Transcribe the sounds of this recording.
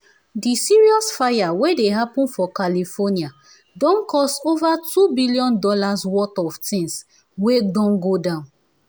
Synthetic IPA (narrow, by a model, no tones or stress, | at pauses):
disiɹiɔsfajawedeɦapũnfɔkalifɔnia | dɔ̃nkʰɔstovatʰubilijɔ̃ndɔlaswɔtɔvtĩŋs | wedɔ̃nɡodãʊ̃n